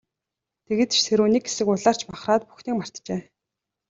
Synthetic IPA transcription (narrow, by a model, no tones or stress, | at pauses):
t̪ʰeɣɘ̆t̪t͡ɕsʰeɾuːniːkɡe̥sɘ̆kʊɮaːr̥t͡ɕmaχraːt̪̚pu̥xniːk̚mar̥t̪t͡ɕeː